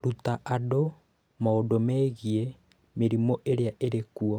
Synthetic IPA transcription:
ɾutaʔado | maodomɛɣie | meɾimɔʔeɾeaʔeɾekuɔ

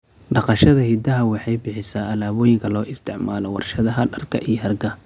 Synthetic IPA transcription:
ɖɑqɑʃɐðɐhid̪ɐɦɐwɑħɑjbɪħɪsaːʔɐlaːβɔːjɪŋkʰɐlɔːɪst̪ʰɪʕmaːlɔwɑ̰rʃɐðɐɦɐɖɐrkʰɐʔijɔhɐrɡɐ

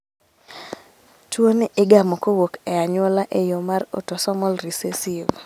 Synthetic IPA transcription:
twonʔɪɡamɔkowokɛaɲwɔlaʔejomaro̰tɔsɔmɔlɾisesiv

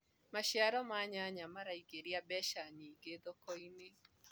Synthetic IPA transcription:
maʃjaɾɔmaɲaɲamaɾaiɡeɾiabɛʃaniːɡeðɔkɔine

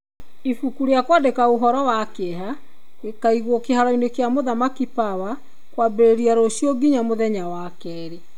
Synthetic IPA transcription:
ifukuɾeakwadekaoɦɔɾɔwakeɦa | ɣekaiɣwɔkehaɾɔinekeamoðamakipawa | kwabeɾeɾiaɾoɕjɔɡiɲamoðɛɲawakɛːɾe

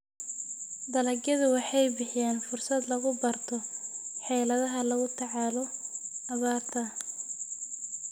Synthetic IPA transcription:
d̪ɐlɐɡjɐðʊwɑħɑjbɪħɪjaːnfʊrsɐd̪lɐɣʊbɐrt̪ʰɔħɛːlɐðɐɦɐlɐɣʊt̪ʰɑʕɑːlɔɐβaːrt̪ʰɐ

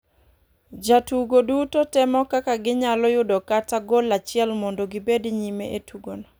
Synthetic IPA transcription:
d͡ʒatuɡodutotɪmɔkakaɡɪɲalɔjʊdɔkataɡɔlat͡ʃɪɛlmɔndɔɡɪbediɲimeʔetuɡonɔ

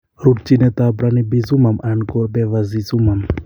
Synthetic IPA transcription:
ɾuʈ̚t͡ʃinət̪abɾanibizumamankɔbeʋazizumam

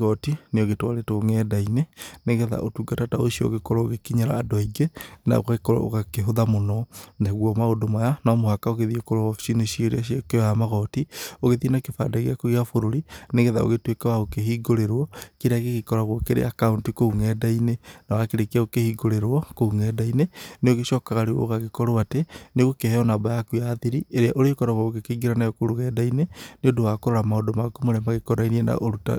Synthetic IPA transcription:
ɣɔtineoɣetwaɾetoŋɛːdaineneɣɛða̰ʔotuːɡatataosiɔ̰o̰ɣekɔɾɔoɣekiɲaɾa̰ːdwaiɡena̰o̰ɣaekɔɾɔ̰o̰ɣakeɦoðamonɔnaɣwɔmaodomajanaːmohakaoɣeðiekoɾoɔfi̥siniʃieɾeaʃiɔkeɔjamaɣɔtioɣeðenakefa̰daɣeakoɣeafoɾoɾineɣɛða̰o̰ɣetwekawaokehiːɡoɾeɾwɔkiɾaɣeɣekɔɾaɣwokeɾḛakauntikouŋɛːdainenawakeɾekiaɣokehiɡoɾeɾwɔkouŋɛːdaineneoɣeʃɔːkaɣaɾeo̰ɣaɣekɔɾoateneɣokehɛɔnabajakujaːðiɾieɾeaʔoɾekɔɾaɣwaɣokekeɡiɾanajokoɾuɣɛdaineneodowakoɾoɾamaodomakomoɾɛmaɣekoɾainieɛna̰ʔoɾuta̰

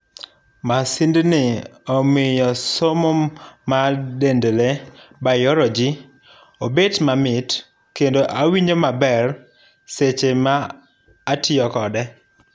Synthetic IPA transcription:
masindnɪɔmɪjɔsomomadendlebajɔɾɔd͡ʒi | obetmamɪt | kendoʔawiɲomabɛr | set͡ʃemaː | tɪjɔkɔdɛ

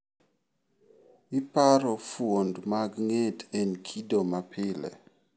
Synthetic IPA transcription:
ɪpaɾɔfuondmaɡŋetɛnkʰidomapʰɪlɛ̰

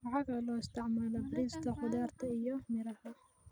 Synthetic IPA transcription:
wɑʕɑɡɐlɔːɪst̪ɑʕmɐlɐbɪɾɪst̪ʰɐħʊd̪aːrt̪ʰɐɪjɔmɪɾɐhɐ

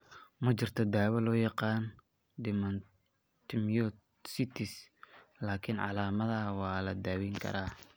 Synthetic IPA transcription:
mɐt͡ʃɪrt̪ʰɐd̪aːwɐlɔːjɑqɑːn | d̪ɪmɐn | t̪ʰɪmjɔ | sɪt̪ʰɪslaːkʰɪnʕɑ̰laːmɐðɐwɑːlɐd̪aːwiŋkʰɐ̰ɾaː

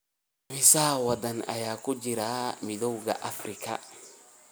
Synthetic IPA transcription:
mɪsaːwɐd̪ɐnɐ̰jaːkʊd͡ʒɪɾaːmɪd̪ɔwɡɐʔɐfɾɪkɐ̰

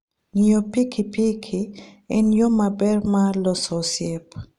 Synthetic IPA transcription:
ŋijopikʰipikʰiɪnjomabɛrmalɔsɔsjep

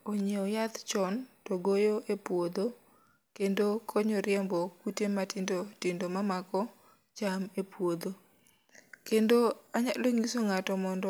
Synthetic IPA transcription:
ɔɲeɔjat̪t͡ʃɔntoɡojoʔepwod̪o | kendokʰɔɲɔɾɪjɛmbɔkutematɪndotɪndomamakɔ | t͡ʃamepwod̪o | kendoaɲaloŋisoŋatɔmɔndɔ

